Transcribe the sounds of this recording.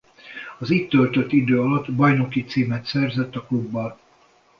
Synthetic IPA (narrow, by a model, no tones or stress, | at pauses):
ɒziːt̪ːølt̪ø̞t̪ːid̪øːɒlɒt̪ːbɒjnokit̪siːmɛt̪sɛrzɛt̪ːɒklubːɒl